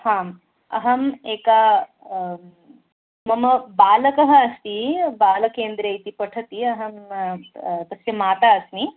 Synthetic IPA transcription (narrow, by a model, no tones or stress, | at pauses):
hãːm | ɐ̰ɦɐmeːka | mɐmɐbaːlɐkɐɦɐːst̪ibaːlɐkeːnd̪ɾɐjt̪ipɐʈʰɐt̪iɐɦɐm | t̪ɐsjɐmaːt̪aɐsni